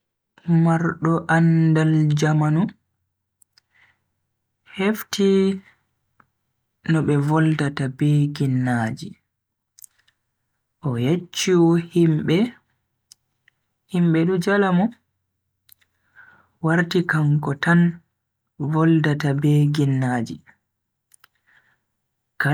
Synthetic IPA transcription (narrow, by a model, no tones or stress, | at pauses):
maɾɗɔʔandald͡ʒamanu | hefti | nɔɓɛvɔldatabeɡinːaːd͡ʒi | ʔɔjet͡ʃːuhimɓɛ | himɓɛɗud͡ʒalamɔ | waɾtikaŋkɔtan | vɔldatabɛɡinːaːd͡ʒḭ | ka